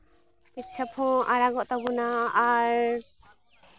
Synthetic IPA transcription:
pit̪̚t͡ʃʰapʰɔ̃aɾaɡɔʔt̪abunaːɾ

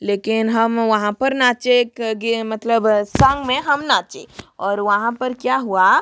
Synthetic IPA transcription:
leːkɪnɦɐmʋɐɦãpɐɾnaːt͡ʃeːkɡemɐt̪ləbsɐ̃ŋɡmẽɦɐmnaːt͡ʃeɔːɾʋɐɦãpɐɾkjaːɦua

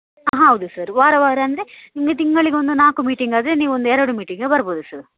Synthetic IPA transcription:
ɦɐwd̪usɐɾʋaːɾɐʋaːɾɐɐnd̪eniŋɡɐt̪iŋːɐɭikʲond̪unaːkːumiːʈːiŋɡɐːd̪eniːond̪ueːɾɐɽumiːʈːiŋɡɨbɐɾɐboːðusɐɾ

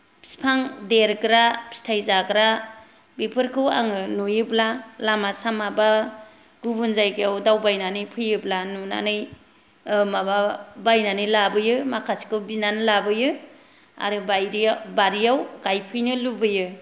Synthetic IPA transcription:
si̥pʰaŋdeɾɡɾapstʰajzaɡɾa | bipʰɯɾkʰɯwa̰ŋɯnujɯblalamasamaba | ɡ̥ubunzajɡejawdawbajnanɯjpʰɯjɯblanuna̰nɯj | ɯmababajnanɯjlabɯjɯmakʰasi̥kʰɯwbinanɯlabɯjɯ | a̰ɾɯbajɾijbaɾijawɡajpʰɯjnɯlubɯjɯ

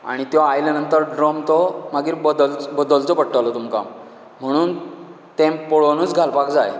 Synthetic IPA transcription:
a̰ɽ̃it̪jɔajlanənt̪əɾɖɾɔmt̪ɔmaɡiːɾbəd̪əlbəd̪əlt͡sɔpəɽʈalɔt̪umka̰m | m̤əɽ̃uːn | t̪ẽmpoɭonuːt͡sɡʱalpakd͡zaj

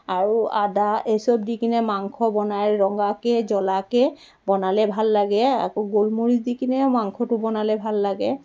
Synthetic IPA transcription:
aɹua̰daejsɔb̚dikinɛmaŋkʰɔbɔnajɹɔŋɡakɛzɔlakɛ | bɔnalɛbʱalːaɡɛa̰kɔɡolmoɹizdikinɛmaŋkʰɔtʊbɔnalɛbʱalːaɡɛ

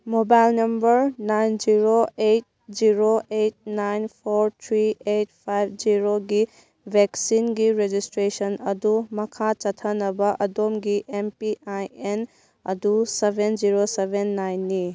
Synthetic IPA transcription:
mobajlnɐmbɐɾnajnd͡ʒiɾoet̚d͡ʒiɾoejt̚najnpʰoɾt̪ʰɾiet̚pʰajb̚ʱd͡ʒiɾoɡi | bʱeksinɡiɾed͡ʒistɾesɐnɐdumɐkʰat͡ʃɐtʰɐnɐbɐʔɐdomɡiʔempiʔajen | ɐ̰dusebʱend͡ʒiɾosebʱenːajnːi

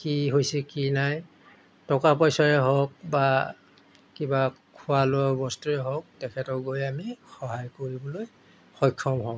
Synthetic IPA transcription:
kiɦojsikinaj | tɔkapɔjsɔɹɛɦɔk̚ba | kiba | kʰʊaloɔbɔstuɹɛɦɔk̚tɛkʰɛtɔɡojamixɔɦajkoɹibɔloj | xɔjkʰːɔmɦɔ

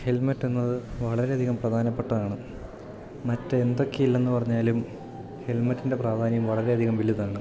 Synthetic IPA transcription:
he̞lmɐtːunːɐðɨʋɐɭɐɾe̞ɐd̪ʱiɣɐmprɐd̪ʱaːnɐpːeʈːɐðaːɳɨ | mɐtːeend̪o̞kːeilːenːɨpɐrɐɲːaːlum | he̞lmɐtːinde̞praːd̪ʱaːnjɐmʋɐɭɐɾe̞ɐd̪ʱiɣɐmʋiliðaːɳɨ

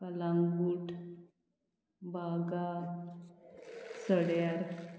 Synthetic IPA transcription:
kalaŋɡɡuʈ | baɡa | səɽjaɾ

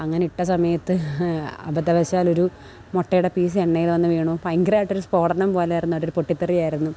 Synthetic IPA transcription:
ɐŋːɐneiʈːɐsɐmɐjɐt̪ːɨɐ̰bɐd̪ɐʋɐɕaːlo̞ɾu | moʈːɐjuɽepiːs̬ɨeɳːɐjilʋɐnːɨʋeːɳupɐjŋɡɾaːjʈːoɾuspo̞ːɽɐnɐmpo̞ːleːjiɾunːuɐɾoɾupoʈːit̪ːerijaːjiɾunːu

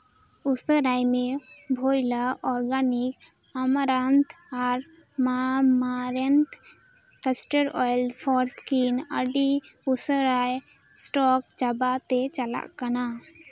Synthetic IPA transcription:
usəɾajmebʱojlaʔɔɾɡanik | əmɾant̪ʰaɾ | mamaɾent̪ | kəsʈəɾɔjlpʰɔɾskinə̰ɖiusəɾaj | sʈɔk̚t͡ʃabat̪et͡ʃəla̰ʔkana

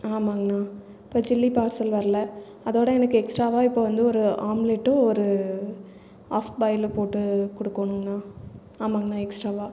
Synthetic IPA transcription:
aːmaːŋɡɐnaː | ɪpːoːd͡ʒɪlːipaːɾsɐlʋɐɾɐlɐ | ɐðoːɽɐɛnɐkːɯɛksʈɾaːʋaːɪpːoːʋɐnd̪ɯɔɾɯaːmleʈːɯ̃ɔɾɯ | aːfbɐɪlpoːʈːɯkɔɽɯkːoɳɯŋɡɐnaː | aːmaːŋɡɐnãːɛksʈɾaːʋaː

